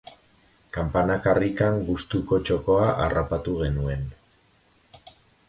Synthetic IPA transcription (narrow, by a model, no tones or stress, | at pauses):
kampanakarikaŋɡust̪uko̞t͡ʃo̞ko̞aʔarapat̪uɣ̞e̞nue̞n